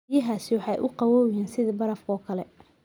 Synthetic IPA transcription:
jɐɦaːsɪwɑħɑjʔʊqɑwɔːwjaːnsɪðɐbɐɾɐfkʰɔːkʰɐlɛ

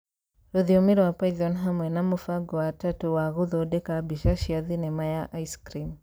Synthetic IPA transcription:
ɾuðiɔmiɾɔwapaiðɔnɦamwɛnamufaɡɔwatatuwaɣuðɔdɛkabiʃaʃiaðinɛmajaʔaiskɾim

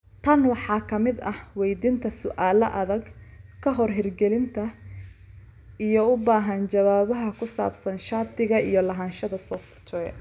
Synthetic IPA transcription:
t̪ʰɐnwɑħɑːkʰɐmɪd̪ɐhwɛjd̪int̪ʰɐsʊʔaːlɐʔɐðɐɡkʰɐɦɔrɦɪrɡɛlɪnt̪ʰɐ | ijɔʊbaːɦɐnt͡ʃɐwaːβɐɦɐkʰʊsa̰ːbsɐnʃaːt̪ɪɣɐijɞlɐɦaːnʃɐðɐsɔft̪t̪ʰɛ

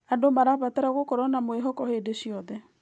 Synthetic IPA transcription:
andomaɾaβatɛɾaɣokɔɾɔnamoeɦɔkɔhedeɕiɔðɛ

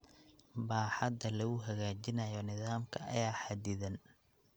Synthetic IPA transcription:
baːħɑd̪ɐlɐɣʊɦɐɣaːt͡ʃɪnɐjɔnɪðaːmkʰɐʔɐ̰jaːħad̪ɪðɐn

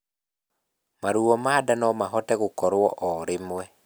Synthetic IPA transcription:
maɾuɔmadanɔmaɦɔtɛɣokɔɾwɔʔɔɾemwɛ

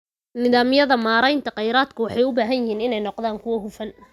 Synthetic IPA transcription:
nɪðaːmjɐðɐmaːɾɛjnt̪ʰɐqɑjɾaːd̪kʰʊwɑħɑjʊbaːɦɐjɪɦiːnɪnɛjnɔqðaːŋkʰʊwɐɦʊfɐn

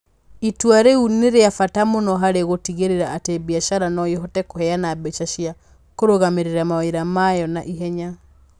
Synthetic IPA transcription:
itwaɾeuneɾeafatamonɔɦaɾeɣotiɣeɾeɾaːtebiaʃaɾanɔjehɔtɛkohɛanabɛt͡ʃaʃia | koɾoɣameɾeɾamaweɾamajɔnaʔiɦɛɲa

